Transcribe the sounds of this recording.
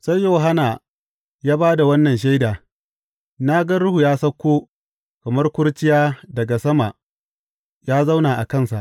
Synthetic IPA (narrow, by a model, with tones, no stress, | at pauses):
sa˦jːo˨ɦa˦na˨ | jaː˦baː˦da˨wɐ˦nːɐ˨nʃ̬a˦jdaː˨ | naː˦ɡɐ˦ɽʊ˦hu˨jaː˦sɐ˦kʷːoː˦ | kɐ˨mɐ˦rkʷʊ˦ɽt͡ʃɪ˦jaː˦dɐ˨ɡa˨sɐ˦ma˨ | jaː˦za˦wnaː˨ʔa˨kɐ˦˨nsa̰˨ʔ